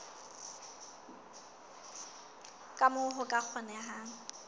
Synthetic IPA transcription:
kʼamʊɦʊkʼak͡xʰɔnɛɦaŋ̩

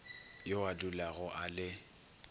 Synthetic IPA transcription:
joalʊlaɣʊʔalɪ

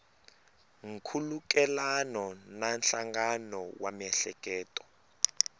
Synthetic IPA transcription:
ŋ̩kʰuluk̬ʼɛlanɔnanɬaŋɡanɔwamɛɬɛk̬ʼɛːtʼɔ̥

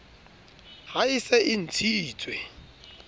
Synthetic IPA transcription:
haɪsɛʔɪn̩t͡sʰit͡sʼwɛ

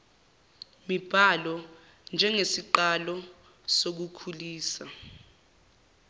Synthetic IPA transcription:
mib̥ʱalɔ | nd͡ʒʱɛŋesiǃalɔ | sok̬ukʰuliːsa

